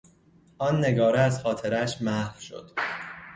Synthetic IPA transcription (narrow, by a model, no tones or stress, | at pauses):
ʔɒːnːe̞ɡɒːɾeæzxɒːt̪ʰe̞ɾæʃmæhfʃo̞̰d̪̥